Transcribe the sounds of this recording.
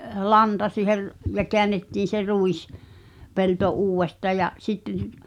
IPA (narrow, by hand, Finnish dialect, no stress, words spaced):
lɑntɑ siːher jɑ keænːetːiːn̞ se ruis pelto uːwˑestɑː jɑʔ sitːen